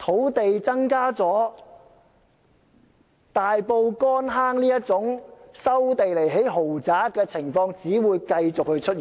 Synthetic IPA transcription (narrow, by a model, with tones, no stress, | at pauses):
t̪ʰo˨˥wt̪e˨jt͡sɐ˥ŋkaː˥t͡sɔː˨˥ | t̪aː˨jpo˧wkɔː˥nɦaː˥ŋliː˥jɐ˥t̚t͡sʊ˨˥ŋsɐ˥wt̪e˨jle˨˩jɦe˨˥jɦo˨˩wt͡saː˨˥kɛː˧t͡sʰɪ˨˩ŋfɔː˧ŋt͡siː˨˥wuː˨˧jkɐ˧jt͡sʊ˨k̚hɵ˧ɥt͡ʃʰɵ˥t̚iː˨˩